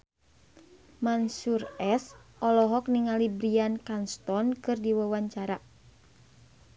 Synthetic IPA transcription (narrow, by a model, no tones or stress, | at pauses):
mansurɛsɔlɔɦɔk̚niŋalibɾiankanst̪ɔnkɨrdiwawaɲt͡ʃaɾa